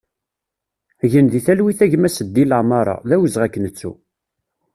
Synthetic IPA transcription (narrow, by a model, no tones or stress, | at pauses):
ʝənðiθælwiθæʝmæsəd̪ːiləʕmɑɾˤɑ̰ðæwəzʁækːənət͡sːṵ